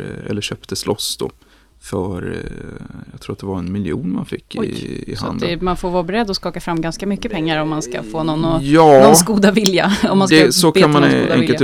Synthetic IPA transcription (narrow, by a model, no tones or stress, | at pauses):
ɛ̰lːəɕœːpt̪əslʔɔsːd̪̥o̰ | fœɾ | jɑɡt̪ʰɾuːɾat̪d̪ɛvaɾɛnmɪljṵːnma̰nfɪkːɪ̰ha̰nd̪əɛmanfoːɾvɑːbɛɾɛd̪ːɔskɑːkafɾamːɡanskamʏkːəpʰɛŋːaɾɔmːanska̰foːnɔnːɔjɑːɔɡuːd̪avɪlja̰ɔmːansd̪ɛsɔkkʰanmmanɡud̪ɛ̰ŋkəl